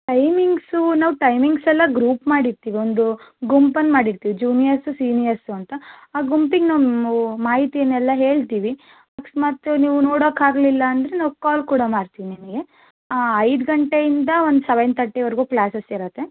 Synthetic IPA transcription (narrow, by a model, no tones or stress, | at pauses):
ʈɐjmiŋɡsunaːʋuʈɐjmiŋɡsɛlːɐɡɾuːpmaːɽiɾt̪iːʋiond̪uɡumpɐnmaːɽiɾt̪iːʋid͡ʒuːnijɐɾsusiːnijɐɾsuɐnt̪ɐaːɡumpiɡnaːʋmaːɦit̪ijɐnːɛlːɐɦe̞ːɭt̪iːʋi | aksmɐt̪uniːʋunoːɽoːkːaːɡlilːɐːnd̪ɾenaːʋukaːlkuːɽɐmaːɽt̪iʋinimɐɡe̞ | aːɐjd̪ɡɐɳʈejind̪ɐond̪usɐʋɐjnt̪ɐʈːeʋɐɾɡuːplaːsɐsiɾɐt̪ːe̞